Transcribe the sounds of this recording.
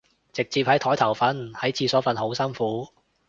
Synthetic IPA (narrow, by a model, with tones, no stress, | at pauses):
t͡sɪ˨k̚t͡siː˧˨p̚hɐ˨˥jt̪ʰɔː˨˥jt̪ʰɐ˨˩wfɐ˨˥nhɐ˨˥jt͡sʰiː˧sɔː˨˥fɐ˨nho˨˥wsɐ˥nfuː˨˥